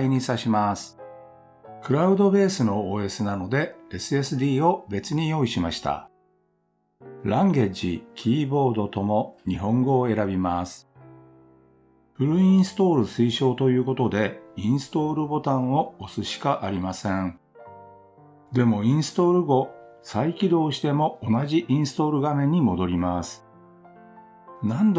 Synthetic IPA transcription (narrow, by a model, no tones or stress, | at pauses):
iɲ̟isaɕimasɨ̥ | kɯ̟ɾaɯ̟d̪o̞be̞ːsɨno̞oːe̞sɨnano̞d̪e̞esɨe̞sɨd̪ʲiːo̞be̞t͡sɨɲ̟ijo̞ːiɕimaɕi̥t̪a̰ | ɾãŋɡe̞d͡ʑikʲʰiːbo̞ːd̪o̞t̪o̞mo̞ɲ̟iɦõ̞ŋɡo̞ːe̞ɾabʲimasɨ̥ | ɸɯ̟ɾɯ̟ĩsɨ̥t̪o̞ːɾɯ̟sɨiɕo̞ːt̪o̞jɯ̟ːko̞t̪o̞d̪e̞ĩɰ̃sɨ̥t̪o̞ːɾɯ̟bo̞t̪ãɰ̃o̞ːsɨɕi̥kaʔaɾʲimasẽɴ | d̪e̞mo̞ĩɰ̃sɨ̥t̪o̞ːɾɯ̟ɡo̞ | saikʲid̪o̞ːɕi̥t̪e̞mo̞onaʑiʔĩɰ̃sɨ̥t̪o̞ːɾɯ̟ɡamẽ̞ɲ̟ːimo̞d̪o̞ɾʲimasɨ̥ | nãnd̪